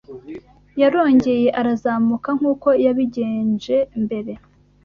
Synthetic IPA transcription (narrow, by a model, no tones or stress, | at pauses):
jaɾo̞ːɲɟe̞je̞ʔaɾazaːmukaŋ̥uːko̞jaβiɟe̞ːnd͡ʒe̞mbe̞ɾe̞